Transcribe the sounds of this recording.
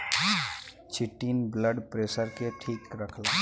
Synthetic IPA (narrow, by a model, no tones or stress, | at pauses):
t͡ʃʰiʈinbləɖpɾesəɾkeʈʰiːkɾəkʰla